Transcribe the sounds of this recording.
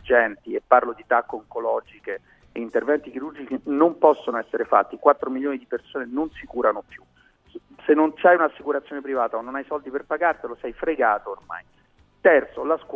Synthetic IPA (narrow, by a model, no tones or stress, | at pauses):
d͡ʒɛnt̪iepːarlod̪it̪akːoŋkolɔd͡ʒike | eint̪ervɛnt̪ik̟iɾurd͡ʒit͡ʃinompɔsːonoɛsːeɾefa̰t̪ːikwat̪ːɾomiljoːnid̪ipersoːnenonsikuːɾanopju | senːont͡ʃajunasːikuɾat̪sjonepɾivaːt̪aonːonajsɔld̪iperpaɡart̪elosɛjfɾeɡaːt̪oːrma̰j | t̪ɛrt̪solask